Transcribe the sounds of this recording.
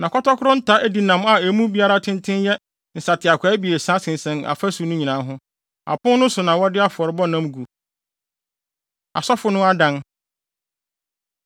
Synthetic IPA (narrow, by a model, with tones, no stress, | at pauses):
nã˨kʰɔ˦tɔ˦kʰʊ˦ɾʊ̃˦n̩˦tʰa˦ʔæ˦di˨nã˨ma˨æ˨mũ˦bi˦a˦ɾa˦tʰɪ̃˦ntʰɪ̃˦njɛ˦ | n̩˨sa˨tʰɪ˨a˨kʰʷa˨˦bi˨e˨sã˦sɪ̃˨n˨sɛ̃˦na̰˨fa˦su˨nʊ̃˦ɲĩ˨nã˨˦ɦʊ̃˦ | a̰˨pʊ̃˦nʊ̃˦sʊ˨nã˨wɔ˦dɪ˦a˦fɔ˨ɾɪ˦bɔ˦nã˦mɡu˨ | a̰˨sɔ˦fʊ˨nʊ̃˦a˦dã˦n